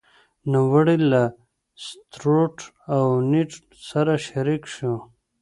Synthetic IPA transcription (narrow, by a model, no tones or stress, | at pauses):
nawəɽila | st̪ɾoʈ | awniʈ | saɾaʃaɾikʂu